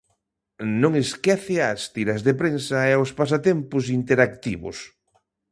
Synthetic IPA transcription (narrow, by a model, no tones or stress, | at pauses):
nõŋeskɛθɪast̪iɾɐzðepɾensɐɛospas̬at̪ɛmpʊs̬int̪eɾakt̪iβʊ̰s